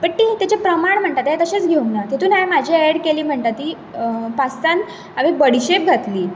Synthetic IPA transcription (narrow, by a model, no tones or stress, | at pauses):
pəɳʈiːt̪at͡ɕepɾəmaɳm̤əɳt̪at̪ɦat̪əɕet͡sɡʱeunat̪et̪ʰuːnajmad͡ʑʱiɛɽkeliːm̤əɳt̪at̪ːiː | past̪an | aʋibəɽ̤iɕep̚ɡʱat̪liː